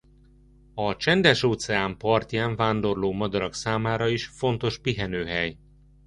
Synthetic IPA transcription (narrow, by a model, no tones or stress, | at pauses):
ɒt͡ʃɛnd̪ɛʃoːt̪sɛaːmpɒrt̪jaːɱvaːnd̪o̞rloːmɒd̪ɒɾɒksaːmaːɾɒiʃfo̞nt̪o̞ʃpiɦɛnøːɦɛj